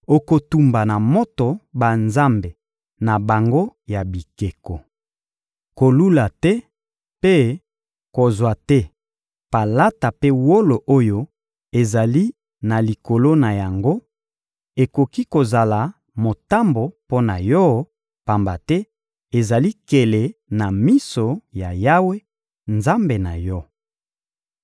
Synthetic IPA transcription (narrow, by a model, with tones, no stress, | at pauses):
o˨ko˨tu˨mba˨na˨mo˦to˨ba˨nza˦mbe˨ | na˨ba˨ŋɡo˦ja˨bi˨ke˨ko˨ | ko˨lu˦la˨tɛ˦ | pe˦ | ko˨zwa˨tɛ˦ | pa˨la˦ta˨pe˦wo˦lo˨ʔo˦jo˦ | e˨za˨li˦ | na˨li˨ko˨lo˦na˨ja˨ŋɡo˦ | e˨ko˨ki˦ko˨za˨la˨ | mo˨ta˦mbo˨po˦na̰˨jɔ˦ | pa˨mba˨tɛ˦ | e˨za˨li˦ke˨le˨na˨mi˦so˨ja˨ja˦we˦ | nza˦mbe˨na̰˨jɔ˦